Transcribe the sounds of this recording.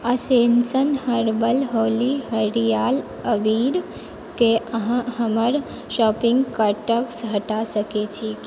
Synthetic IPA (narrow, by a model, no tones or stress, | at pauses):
əsensənhəɾbəlɦoːliɦəɾijaːl | əʋiɾ | keəɦãhəməɾ | ʃɔːpɪ̃ŋɡkəʈəksɦəʈasəket͡ʃʰi